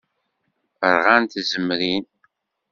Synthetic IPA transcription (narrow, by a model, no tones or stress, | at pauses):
əɾˤʁant̪zəmːɾin